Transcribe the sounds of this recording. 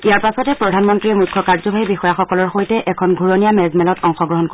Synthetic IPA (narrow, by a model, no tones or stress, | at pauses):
ijaɹpasɔtɛpɹɔdʱanmɔntɹiɔmukʰːɔkaɹzɔbʱaibixɔjaxɔkɔlɔɹxojtɛʔɛkʰɔnɡʱuɹɔnijamɛzmɛlɔtɔŋxɔɡɹɔɦɔnko